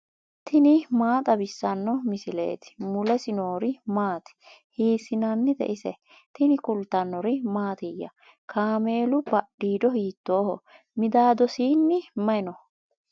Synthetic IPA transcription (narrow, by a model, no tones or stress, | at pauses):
t̪ʰɪnɪmaːt̪ʼɐbɪsːɐnːɔmɪsɪlḛːt̪ɪ̥mʊlɛsɪno̞ːɾɪmaːt̪ɪ̥hiːsɪnɐnːɪd̪ɛ̰ʔɪsɛ | t̪ɪnɪkʊlt̪ːɐnːɔɾɪmaːt̪ɪjːɐ̰ | kʰaːme̞ːlʊbɐɗːiːd̪ɔhiːt̪ːo̞ːhɔ̰ | mɪd̪aːd̪ɔsiːnːɪmɐɪnɔ